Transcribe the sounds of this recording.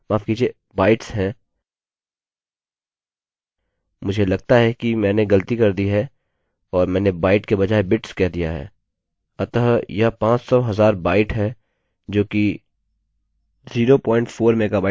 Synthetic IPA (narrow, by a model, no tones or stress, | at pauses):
maːfkiːd͡ʒie | baːɪʈsɦɛ̃ː | mʊd͡ʒʱelɐɡ̚t̪aɦɛkimɛ̃ːneɡɐlət̪ikɐɾd̪iɦɛ | ɔːɾmɛ̃ːnebaːɪʈkebɐd͡ʒaːebɪʈskɛɦd̪ijaɦɛ̰ː | ɐt̪əɦjɐɦpãːt͡ʃsɔɦɐzaːɾbaːɪʈɦɛ | d͡ʒoːki | ziːɾopɔ̃ːɪ̃ɳʈfʰoːɾmẽːkabaː